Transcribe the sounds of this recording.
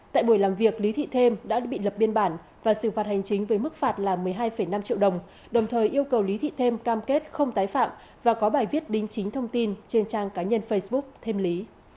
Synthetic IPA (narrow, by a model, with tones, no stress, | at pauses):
t̪a̰ː˧˨jɓu˧˩əjlaː˨˩mvi˨˩ək̚li˨˦t̪ʰḭ˧˨t̪ʰe˧mɗa̰ː˧˥ɓḭ˧˨lə˨˩p̚ɓi˧ənɓaː˧˩n | vaː˨˩sɨ̰˧˩faː˨˩t̚ha˨˩jŋ̟t͡ɕï˨˦ŋ̟vəː˨˦jmɨ˦˥k̚faː˨˩t̚laː˨˩mɨ˨˩əjɦaː˧jfə˧˩jna˧mt͡ɕḭ˧əwɗə˨˩wŋ͡m | ɗə˨˩wŋ͡mt̪ʰəː˨˩jʔi˧əwkə˨˩wli˨˦t̪ʰḭ˧˨t̪ʰe˧mkaː˧mke˦˥t̚xə˧wŋ͡mt̪aː˨˦jfa̰ː˧˨m | vaː˨˩kɔ˨˦ɓaː˨˩jvi˦˥ət̚ɗï˨˦ŋ̟t͡ɕï˨˦ŋ̟t̪ʰə˧wŋ͡mt̪i˧nt͡ɕe˧nt͡ɕaː˧ŋkaː˨˦ɲə˧nfə˧jsɓʊ˦˥k͡p̚t̪ʰe˧mli˨˦